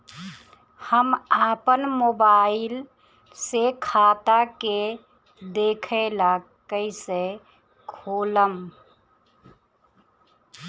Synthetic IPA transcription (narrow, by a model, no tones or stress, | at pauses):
həmaːpənmoːbaːɪl | sekʰaːt̪ake | d̪eːkʰela | kəɪse | kʰoːləm